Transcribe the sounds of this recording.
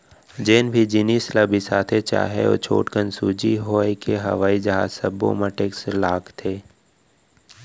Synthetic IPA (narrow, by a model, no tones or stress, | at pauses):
d͡ʒeːnbʱid͡ʒɪniːslabʱisaːt̪ʰet͡ʃa̰ːɦḛo̰ːt͡ʃʰo̰ːʈkənsuːd͡ʒiɦoːekeɦɐ̰ʋaːid͡ʒəɦa̰ːsəbːo̰məʈeːkselaːkt̪ʰeː